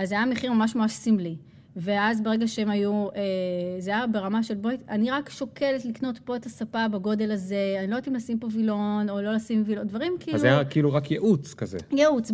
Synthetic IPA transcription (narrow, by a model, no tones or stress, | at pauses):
azajameχiʁmamaʃmamaʃsimli | veazbeʁeɡaʃeemajuezajabe̞ʁamaʃe̞lbojtaniʁakʃo̞ke̞letlikno̞tpo̞etasapabaɡo̞de̞laze̞anilojtimlasimpovilo̞no̞lo̞lasimvilodvaʁimkiiluajakiiluʁakjeʔut͡skazḛjeut͡s